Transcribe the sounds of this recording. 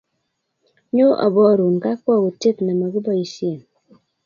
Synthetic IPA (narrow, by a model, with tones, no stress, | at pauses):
ɲo˦ʔɔ̰˨bɔ˦˨ɾu˨ŋ˨ka˦kwɔ˦˨ku˨te˦˨tna˨ma˨ki˦bɔ˦i˨sje˨n